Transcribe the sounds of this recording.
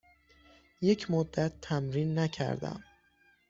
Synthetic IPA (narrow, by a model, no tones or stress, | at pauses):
je̞cʰmod̪ːæt̪ʰːæmɾiːnːæcʰæ̰ɾd̪æ̰m